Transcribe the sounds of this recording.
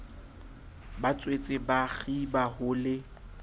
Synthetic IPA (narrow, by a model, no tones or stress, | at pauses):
bat͡sʼwet͡sʼɪbaɣibahʊlɪ